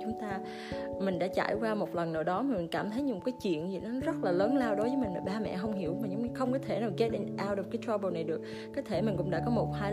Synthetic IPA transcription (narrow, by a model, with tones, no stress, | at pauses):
t͡ɕʊ˨˦ŋ͡mt̪aː˧ | mï˨˩ŋ̟ɗa̰ː˧˥t͡ɕa̰ː˧˩˨jkwaː˧mo˨˩t̚lə˨˩nːə̰˧˩ɗɔ˨˦maː˨˩mi˨˩ŋ̟kaː˧˩mt̪ʰə˨˦jm˨˩kaː˨˦jt͡ɕwḭ˧˨ənzi˨˩nɔ˨˦zə˦˥t̚laː˨˩ləː˨˦nlaː˧wɗo˨˦jvəː˨˦mï˨˩ŋ̟maː˨˩ɓaː˧mɛ̰˧˨ɦə˧wŋ͡mɦi˧˩əwmaː˨˩ɲɨ˧˦ŋ͡mxə˧wŋ͡mkɔ˨˦t̪ʰe˧˩naː˨˩wɣe˨˦˥t̚nʔaː˧wɔ˧˩kaː˨˦jt̪ʰɹaː˧ɓo˧˩na˨˩jɗɨ˨˩ək̚ | kːɔ˨˦t̪ʰe˧˩mi˨˩ŋ̟kʊ̰˧˥ŋ͡mɗa̰ː˧˥kɔ˨˦mo˨˩t̚haː˧j